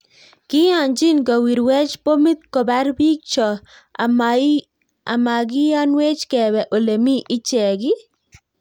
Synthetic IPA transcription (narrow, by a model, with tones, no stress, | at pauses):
kɪ˦a˨nd͡ʒɪ˦nka˨wi˨ɾwɛ˦t͡ʃpo˦mi˦t̪̚kɔ˨ba˦ɾbi˦k̚t͡ʃɔ˨ | a˨ma˨ɡɪ˦ja˦nwe˦t͡ʃkɛ˨bɛ˨ʔo˨le˨mi˦ʔɪ˦t͡ʃɛ˨ɡɪ˦